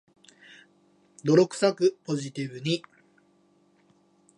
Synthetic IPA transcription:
d̪o̞ɾo̞kɯ̟̥sakɯ̟po̞ʑit̪ibɯ̟ɲ̟i

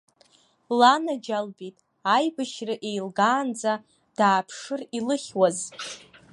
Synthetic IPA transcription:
lanad͡ʒalbitʼ | ajbɨʃrɨʔe̞jlɡaːnd͡za | d̥aːpʰʂɨrilɨχʲwaz

